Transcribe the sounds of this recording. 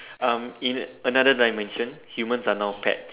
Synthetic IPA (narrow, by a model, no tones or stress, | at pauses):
ãmĩnənadədajmɛ̃nʃə̃nhjumə̃nsanawpʰɛ̰t̚